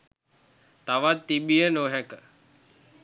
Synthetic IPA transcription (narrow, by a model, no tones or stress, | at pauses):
t̪aʋat̪ːibijənoːɦɛkə